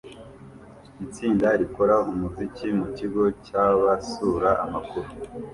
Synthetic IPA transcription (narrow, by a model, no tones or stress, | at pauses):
it͡siːndaɾiko̞ɾaumuzicimuciɡo̞caβasuːɾaʔamakuɾu